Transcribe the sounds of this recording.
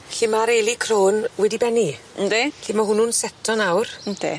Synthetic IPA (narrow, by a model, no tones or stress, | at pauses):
ɬɪmaɾejlˠikʰroːnwɛdibɛni | m̩deɬimaɦʊnuːnsɛtʰɔnawrm̩d̪ḛ